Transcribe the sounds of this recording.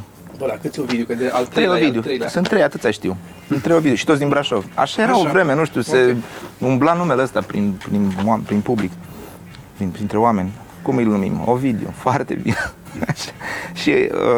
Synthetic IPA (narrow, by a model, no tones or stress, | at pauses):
bəlakɨt̪sʲovid̪eokəd̪eat̪ːɾejovid̪eosɨnt̪ːɾejat̪ɨt̪sʲaʃt̪iw | sɨnt̪ːɾejovid̪eoʃit̪ot̪sd̪inbɾaʃo̞vʲa̰ʃaje̞ɾawovɾe̞me̞nuʃt̪iuse̞umblanumeleəst̪apɾḭnpɾinapɾinpublik | pɾinpɾint̪ɾe̞oame̞nʲ | kumɨjlnumḭmo̰vid̪eo̰foart̪e̞̰bḭneaʃḁʃḭ